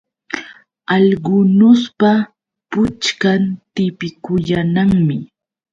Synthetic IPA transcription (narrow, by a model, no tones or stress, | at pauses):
ɑʎɢʊnʊspa | pʊt͡ʃkant̪ɪpɪkʊjanaŋmɪ